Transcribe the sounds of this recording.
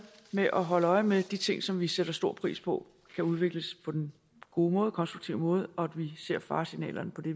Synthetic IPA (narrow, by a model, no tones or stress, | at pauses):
meʔɒ̽ɦɒ̽ləɒ̽ɪmed̥it͡sʰe̝ŋ̰sɒ̽mʋiseɾ̥ɐsd̥o̝ɐ̰pʰʁḭːspʰɒ̽ | kʰæuð̞ˠʋe̝ɡ̥ləspʰɒ̽d̥en | ɡ̥o̝ːmɔ̽ːð̩ˠkʰɒ̽nsd̥ʁuɡ̥t͡sʰiʊ̰mɔ̽ːð̞̩ˠɒ̽æd̥ʋise̝ɐ̰fɑ̈ːsinɛ̰ːlʔɐnəpʰɒ̽d̥e̝